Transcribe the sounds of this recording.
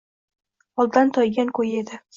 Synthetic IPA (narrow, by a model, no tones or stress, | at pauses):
ɒlˠd̪ant̪ʰɒjɡʲankʰɵje̞d̪ɪ